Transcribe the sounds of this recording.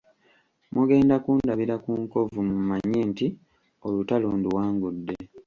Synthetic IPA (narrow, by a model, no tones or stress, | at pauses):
mʔuɡe̞ːndakuːndaβiɾakuːŋko̞vumumaɲːenti | o̞lutaluːnduwaːŋɡudːe̞